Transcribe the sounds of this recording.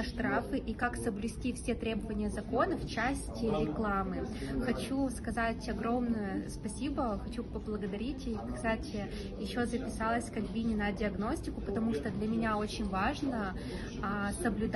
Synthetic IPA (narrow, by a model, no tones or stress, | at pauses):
ʂt̪ɾafɨʔikaksəblʲʊsʲtʲifsʲe̞t̪ɾʲe̞bəvənʲɪjəzɐko̞nəft͡ɕæsʲtʲɪɾʲɪklˠamɨxɐt͡ɕuskɐzatʲɐɡɾo̞mnʊjʊspɐsʲibəxɐt͡ɕupəblˠəɡəd̪ɐɾʲitʲkkst̪atʲɪ | jɪɕːo̞zəpʲɪsalˠəsʲkɐlʲbʲinʲɪnədʲɪɐɡno̞sʲtʲɪkʊpət̪ɐmuʂt̪od̪lʲɐmʲɪnʲaot͡ɕɪnʲvaʐnə | səblʲʊd̪